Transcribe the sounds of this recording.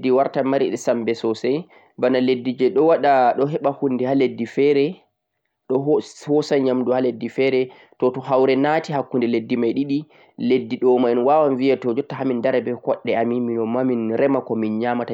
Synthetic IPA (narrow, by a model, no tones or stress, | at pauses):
dːiwaɾtamaɾiɗɛsambɛsɔsɛj | banaledːid͡ʒɛɗɔwaɗaɗɔɦɛɓahundɛhaledːifɛɾɛ | ɗɔhɔsaɲamduhaledːifɛɾɛ | tɔtɔhawɾɛnatiɦakːundɛledːimajɗiɗi | ledːiɗɔmaɛnwawanviatɔd͡ʒɔtːaɦamindaɾɛbɛkɔɗːɛamiminɔmaminɾɛmakɔminɲamata